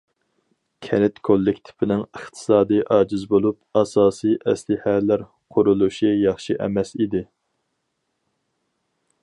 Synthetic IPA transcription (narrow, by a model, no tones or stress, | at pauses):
kʲʰɛnɪt̪kʰolˠːɪkʲt̪ʰɪ̥pʰɪnɪŋəχt̪ʰɨ̥sɑːd̪ɨjʔɑːd͡ʒizbolˠup̚ɑsɑːsijʔɛslɪhælæɾ | qʰʊɾulˠuʃijɑχʃiʔɛ̰mɛsid̪ɪ